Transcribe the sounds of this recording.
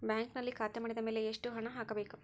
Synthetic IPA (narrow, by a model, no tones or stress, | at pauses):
bjaːŋknɐlːikʰaːt̪emaːɽid̪ɐmeːleːʂʈuɦɐɳɐɦaːkɐbeːku